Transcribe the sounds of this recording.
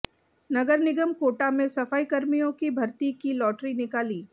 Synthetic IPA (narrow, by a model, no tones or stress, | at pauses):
nɐɡəɾnɪɡəmkoːʈamẽsɐfaːikɐɾmijõkibʱɐɾt̪ikilɔːʈɾinɪkaːliː